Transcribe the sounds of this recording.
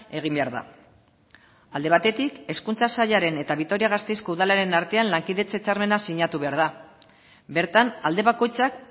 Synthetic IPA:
e̞ɣ̞imbe̞aɾða̰ | ald̪e̞βat̪e̞t̪ike̞skunt͡sasaʎaɾe̞ne̞t̪aβikt̪o̞ɾiaɣ̞ast̪e̞jsko̞uðalaɾe̞naɾt̪e̞anlaŋkiðe̞t͡se̞t͡saɾme̞nasiɲat̪uβe̞aɾð̞a | be̞ɾt̪anald̪e̞βako̞jt͡sak̚

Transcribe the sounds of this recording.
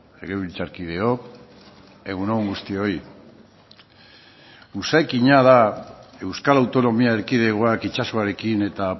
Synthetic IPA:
eɣeβilt͡saɾkið̞e̞o̞k | e̞ɣuneɣuŋɡust̪io̞i | usaekiɲaðae̞wskalawt̪o̞no̞miaeɾkið̞e̞ɣoakit͡ʃasoaɾe̞kine̞t̪a

